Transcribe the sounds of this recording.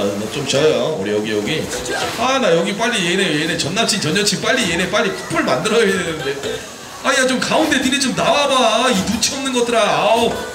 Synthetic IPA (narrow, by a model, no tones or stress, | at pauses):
mʌt͡ɕ͈omt͡ɕʌjoṵɾijʌɡijʌɡi | anajʌɡip̬͈aʎːijeinejojeinet͡ɕʌnːap̚t͡ɕʰit͡ɕʌɲʌt͡ɕʰip͈aʎːijene̞p͈aʎːikʰu̥p͈ɯɭmandɯɾʌjoedenɯnde̞ | ajat͡ɕ͈omkaundʰetɯɾit͡ɕomnawabaitut͡ɕʰiʌmnɯnɡʌt͈ʰɯɾa